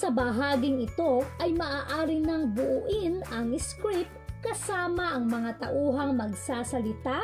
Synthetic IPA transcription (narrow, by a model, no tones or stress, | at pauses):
sɐbɐɦaːɡɪŋɪt̪o̞ʔɐjmɐʔaːʔaːɾɪnɐŋbʊʔʊʔɪnɐŋɪskɾip̚kɐsaːmɐʔɐŋmɐŋat̪ɐʔuːɦɐŋmɐɡsaːsɐlɪt̪a